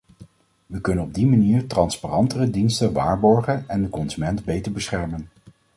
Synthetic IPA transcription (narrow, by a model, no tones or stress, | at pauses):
ʋəkɵnənɔb̚dimaniːɹtrɑnsparɑntərədinstənʋa̰ːɹbɔɹχənɛndəkɔnzymɛntbejtəɹbəsχɛɹmən